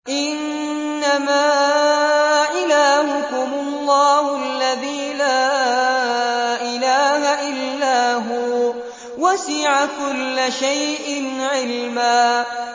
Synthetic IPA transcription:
ʔɪnː | amaː | ʔɪlaːhʊkʊmʊlˤːɑːhʊalːaðiːlaː | ʔɪlaːhaʔɪlːaːɦuː | wasɪʕakʊlːaʃajʔɪnʕɪlmaː

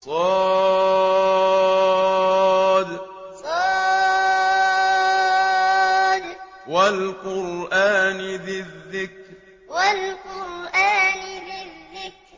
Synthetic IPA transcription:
sˤɑː | d̪ | sˤɑ | d̪ | walqʊɾʔaːnɪbɪðːɪkɾ | walqʊɾʔaːnɪbɪðːɪkɾ

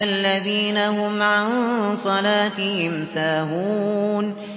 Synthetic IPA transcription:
alːaðiːnahʊmʕansˤɑlaːt̪ɪhɪmsaːɦuːn

